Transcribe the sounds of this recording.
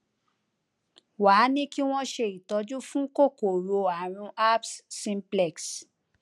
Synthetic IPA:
waː˨˦nĩ˦ki˦w̃ɔ̃˦ʃe˧˨i˨tɔ˧˦d͡ʒu˦fũ˦ko˦˨ko˨ɾo˧a˨ɾ̃ũ˧a˦psːĩ˦m˦plɛ˨ks

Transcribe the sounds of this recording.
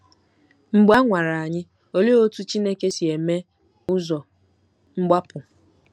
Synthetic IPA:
ŋ͡m̩˦ɡ͡ba˦ŋʷa˨ɾa˨a˨ɲɪ˦ | o˦le˦o˦tu˦t͡ʃi˦ne˦ke˦si˨e˨me˦ | ʊ˦zɔ˨ | ŋ͡m̩˦ɡ͡ba˦pʊ˨

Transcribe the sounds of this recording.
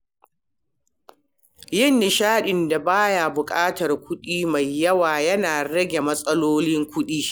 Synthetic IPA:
jɪ˦nːɪ˨ʃaː˦ɗɪ˨nda˨baː˦ja˨bʊ˨kʼaː˦tɐ˨rkʷʊ˦ɗiː˦ma˨jːɐ˦waː˨jɐ˦naː˨ɾɐ˦ɡʲe˨mɐ˦sʼɐ˦loː˦lɪ˦ŋkʷʊ˦ɗiː˦

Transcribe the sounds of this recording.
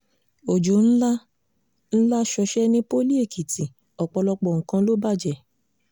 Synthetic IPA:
o˨d͡ʒo˨˦n̩˦la˦ | n̩˦la˦ʃɔ˧ʃɛ˦nĩ˦po˦li˦e˦˨ki˨tĩ˨ | ɔ˨k͡pɔ˧lɔ˧k͡pɔ˨ŋ̩˨kã˧lo˦ba˦˨d͡ʒɛ˨

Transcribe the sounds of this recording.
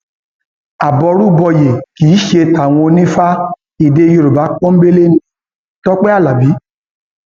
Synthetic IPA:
a˨bɔ˧ɾu˦bɔ˧je˨kiː˨˦ʃe˧ta˨w̃ɔ̃˧o˧nĩ˦fa˦ | i˨de˧˦jo˧ɾo˨ba˨˦k͡pɔ̃˦m̩˦be˦le˦nĩ˦ | tɔ˦k͡pɛ˦a˦˨la˨bi˨˦

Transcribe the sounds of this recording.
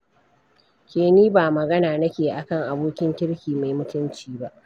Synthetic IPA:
kʲeː˨niː˦baː˨mɐ˨ɡɐ˦naː˨nɐ˦kʲeː˨ʔa˨kɐ˦˨ŋʔa˨boː˦kʲɪ˦ŋkʲɪ˦ɽkʲiː˨ma˨jmʊ˦tʊ˦nt͡ʃiː˦ba˦ʔ

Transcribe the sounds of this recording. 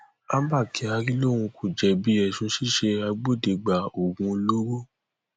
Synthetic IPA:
ã˦ba˦˨ki˨˦a˧ɾi˦lo˦˨ɾũ˧kʰu˨d͡ʒɛ˧˨bi˦ɛ˦˨sũ˧˦ʃi˦˨ʃe˧a˧ɡ͡bo˦˨de˨ɡ͡ba˨o˨ɡũ˧lo˦ɾo˦˨

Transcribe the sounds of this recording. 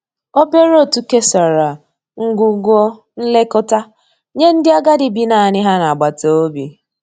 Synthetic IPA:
o˦be˦ɾo˦˨tu˦ke˦sa˨ɾa˨ | ŋ̩˦ɡʷu˦ɡʷɔ˦ | n̩˦le˦kʊ˦ta˦ | ɲe˦n̩˦dɪ˦a˦ɡa˦dɪ˨bi˦na˨ɲɪ˦ɦa˦na˨ɡ͡ba˨to˨o˦bi˨

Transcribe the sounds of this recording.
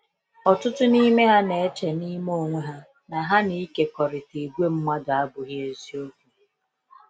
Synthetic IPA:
ɔ˨tʊ˦tʊ˦ni˦me˦ɦa˦ne˨e˦t͡ʃe˨ni˦mo˦˨ŋʷe˦ɦa˦ | na˨ɦa˦ni˦ke˦kɔ˨ɾɪ˨te˨ɡʷe˦m̩˦ma˦da˦bʊ˨ɣje˨zi˦o˦ku˨

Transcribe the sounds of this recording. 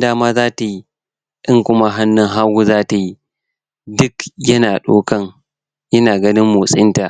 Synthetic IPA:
daː˦maː˦zaː˦ta˨ji˦ | ʔɪ˦ŋkʷʊ˦ma˦ɦa˦nːʊ˦ŋɦa˦wu˦zaː˦ta˨ji˦ | dʊ˦kjɐ˦naː˨ɗoː˦kɐ˦ŋ | jɐ˦naː˨ɡɐ˦nɪ˦mːʊ˨sʼɪ˦nta˨ʔ

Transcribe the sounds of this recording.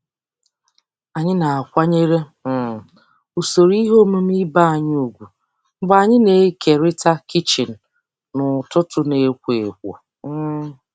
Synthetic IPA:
a˨ɲɪ˦na˨a˨kʷa˦ɲe˦ɾe˦m̩˨ | u˨so˨ɾi˦ɦo˦mu˦m̩˦i˦ba˦a˨ɲ˦u˨ɡʷu˨ | ŋ͡m̩˦ɡ͡ba˨ɲɪ˦ne˨˦ke˨ɾɪ˦ta˦ki˦t͡ʃi˨n̩˨ | nʊ˨tʊ˦tʊ˦ne˨˦kʷe˨kʷo̰˨˦

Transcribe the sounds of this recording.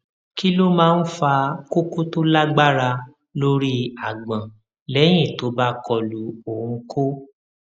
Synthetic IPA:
ki˦lo˦mãː˦˧n̩˦fa˧ko˦ko˦to˦la˦ɡ͡ba˦ɾa˧ | lo˦ɾi˦a˨ɡ͡bã˨ | lɛ˨˦j̃ĩ˦˨to˨˦ba˦kɔ˧lu˨˦õ˨˧kʰo˦

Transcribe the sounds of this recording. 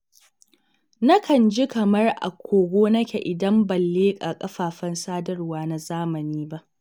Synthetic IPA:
na˦kʰɐ˨nd͡ʒi˦kɐ˨mɐ˦rʔa̰˨kʷʰoː˨ɡʷoː˦nɐ˦kʲe˨ʔɪ˨dɐ˦mbɐ˨lːeː˦kʼaː˨kʼɐ˦ɸaː˨ɸɐ˦nsaː˦dɐ˦rwaː˨na˨zaː˦mɐ˨niː˦ba˦ʔ

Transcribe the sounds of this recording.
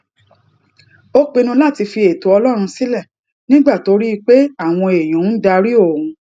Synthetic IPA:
o˦k͡pe˧nũ˧la˦˨ti˧fi˧e˨to˨˦ɔ˧lɔ˦ɾ̃ũ˧si˦lɛ˦˨ | nĩ˦ɡ͡ba˦˨to˨˦ɾi˦i˧k͡pe˦a˦˨w̃ɔ̃˧e˨j̃ɔ̃˨˦n̩˦da˧ɾi˦o˦˨ũ˨˧

